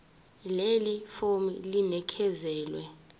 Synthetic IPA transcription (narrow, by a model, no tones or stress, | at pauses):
lelifomḭlinɛkʰɛzɛːlwɛ